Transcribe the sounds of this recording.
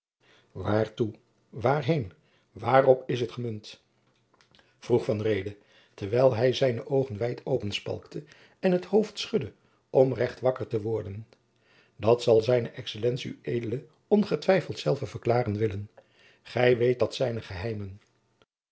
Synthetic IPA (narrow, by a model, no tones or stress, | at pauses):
ʋaːɹtu | ʋaːɹɦejn | ʋaːrɔpɪs̬ətχəmɵnt | v̥ruχfɑnrejdə | tɛɹʋɛjlˠɦɛjzɛjnəʔowχənʋɛjtʰowpənspɑ̰lˠktʰə | ɛnɦəthowftsχɵdə | ʔɔmrɛχtʋɑkəɹtəʋɔɹdən | dɑtsɑlˠzɛjnəʔɛksəlɛntsiyejdələ | ɔnχətʋɛjfəlˠtsɛlˠvəvəɹklaːrənʋɪlən | χɛjʋejt̚dɑtsɛjnəχəɦɛjmən